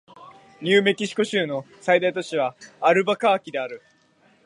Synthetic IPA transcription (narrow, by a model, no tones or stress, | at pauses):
ɲʲɨːme̞kʲiɕi̥ko̞ɕɨːno̞ | said̪ait̪o̞t͡ɕiβ̞aːɾɯ̟bakaːkʲid̪e̞aɾɯ̟